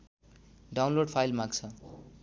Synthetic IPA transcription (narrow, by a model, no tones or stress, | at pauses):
ɖaw̃nloɖpʰajlmãɡt͡sʰʌ